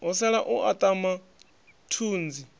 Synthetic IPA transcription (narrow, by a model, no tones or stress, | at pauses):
us̬ɛɺaʔuʔat̪ʼama | tʰuːnd͡zi